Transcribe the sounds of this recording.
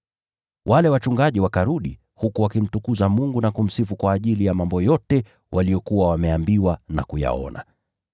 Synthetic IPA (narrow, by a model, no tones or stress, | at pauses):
wʔalɛwat͡ʃuŋɡaʄiwakaɾuɗḭ | hukuwakim̩tukuzamuŋɡunakum̩sifukwaːʄilijamambɔjɔtɛ | wʔalijɔkuwawamɛambiwanakuja̰ɔ̰na̰